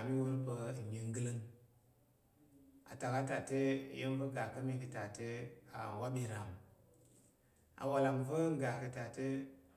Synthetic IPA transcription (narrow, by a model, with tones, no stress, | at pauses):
mi˦wu˦ɾbə˧˨i˨ŋ˦ɡɨ˦lɨ˦ŋ | a̰˨ta˨ka˦ta˨te˦˨˦je˦nvə˦ɡa˨kə˦mi˦kə˨ta˨te˦a̰˨wa˦bi˨ɾa˨m | a̰˨wa˨la˨mvə˦ɡa˨kə˨ta˨te˦